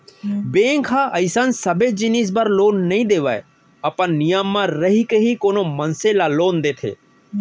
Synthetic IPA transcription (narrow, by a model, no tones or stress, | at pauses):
bẽːŋkʰaʔəɪsansəbed͡ʒinis̬bəɾloːnːəɦĩːd̪eːʋa̰ːḛ | əpãnːɪjamːãɾəɦikeɦikoːnoːmənselaːloːnd̪eːt̪ʰḛː